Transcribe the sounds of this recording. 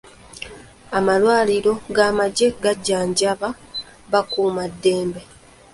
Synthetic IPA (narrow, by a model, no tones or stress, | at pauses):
amalwaːliɾo̞ɡaːmaɟe̞ɡaɟːaːɲɟaβa | βakuːmadːe̞ːmbe